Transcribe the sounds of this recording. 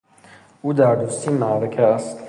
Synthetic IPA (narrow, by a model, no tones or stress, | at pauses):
ud̪aːɾd̪ust̪ʰimaːɾɐkʰas